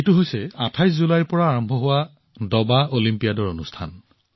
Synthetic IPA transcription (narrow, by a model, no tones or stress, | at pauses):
etuɦojsɛatʰajs̬zulajpɔɹaːɹɔmbʱɔɦʊwa | dɔbaolimpijadɔɹonustʰan